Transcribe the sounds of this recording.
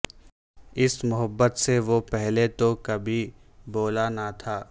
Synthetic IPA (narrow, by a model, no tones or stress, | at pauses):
ɪsmʊɦəbːət̪seʋopɛɦlet̪okɐbʱi | boːlanat̪ʰaː